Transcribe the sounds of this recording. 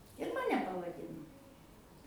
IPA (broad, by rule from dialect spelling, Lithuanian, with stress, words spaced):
ɪr mɐˈnʲɛ pɐʋɐˈdʲɪnoː